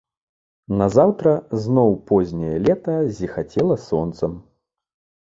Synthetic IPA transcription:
nɐzawt̪ɾɐznɔwpɔzʲnʲɛjɐlʲɛt̪ɐzʲixat͡sʲɛlˠɐsɔnt̪sɐm

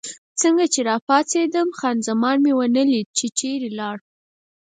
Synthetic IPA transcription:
t͡səŋɡat͡ʃeɾɑpɑt͡sed̪əmxɑnzamɑnmewənəlid̪̚t͡ʃet͡ʃeɾelɑɽ

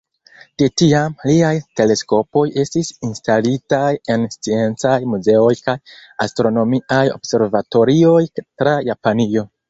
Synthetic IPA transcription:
tetiamliajte̞le̞sko̞po̞je̞stisinstalitaje̞nst͡sie̞nt͡sajmuze̞o̞jkajastɾo̞no̞miajo̞̰bse̞ɾvato̞ɾio̞jtɾajapanio̞

